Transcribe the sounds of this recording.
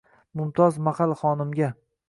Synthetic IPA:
mʊmt̪ʰɒzmahalˠχɒnɪmɡʲa

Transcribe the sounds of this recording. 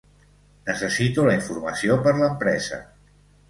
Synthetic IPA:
nəsəsit̪uləiɱfurməsiopəɾləmpɾɛzə̰

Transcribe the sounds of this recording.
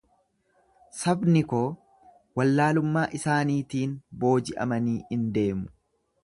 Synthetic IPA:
sɐbnɪkoː | wɐlːaːlʊmːaːʔɪsaːniːt̪iːnbo̞ːd͡ʒɪʔɐ̰mɐniːɪnd̪e̞ːmʊ̥

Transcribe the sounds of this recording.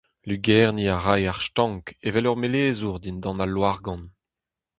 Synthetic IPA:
lyɡɛʁniaʁajaʁʃtɑ̃ŋkevɛlœʁmeleːzuʁd̪ind̪ɑ̃nalːwaʁɡɑ̃n

